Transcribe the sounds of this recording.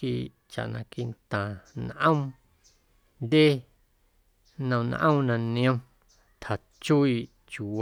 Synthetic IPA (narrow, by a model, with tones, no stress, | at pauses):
i˧˨ʔ | t͡ʃa̰˨ʔnã̰˧ki˧nt̪ã˨n˧ʔə̃˦ | nd̪ʲe˦ | nə̃˧n̰˧ʔə̰̃˦˧nã˧nĩ˧˦õ˦˧ | t̪ʰa˨ | t͡ʃu˦i˧˨ʔ | t͡ʃu˨w